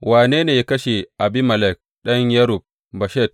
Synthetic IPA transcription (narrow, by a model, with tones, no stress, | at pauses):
waː˨neː˦neː˨ja˦kɐ˦ʃe˨ʔa˨bi˦mɐ˨lɛ˦˨k̚ɗɐ˦ɲjɐ˦ɾu˨b̚ | bɐ˨ʃɛ˦˨t̚